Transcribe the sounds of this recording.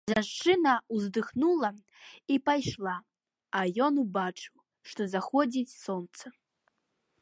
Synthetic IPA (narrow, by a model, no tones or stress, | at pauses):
ʒanʂt͡ʂɨnɐwzd̪ɨxnulˠɐ | ipajʂlˠa | ajɔnubat͡ʂɨw | ʂt̪ɔzaxɔd͡zʲit͡sʲsɔnt̪sɐ